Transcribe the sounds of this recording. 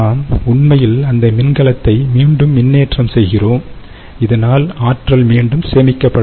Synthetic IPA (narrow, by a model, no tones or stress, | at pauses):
aːmʊɳmɐjɪlɐnd̪ɐmɪnɡɐɭɐt̪ːɐɪmiːɳɖɯmːɪnːeːʈrɐmsɛjɣɪroːm | ɪðɐnaːlaːʈrɐlmiːɳɖɯmseːmɪkːɐpːɐɽ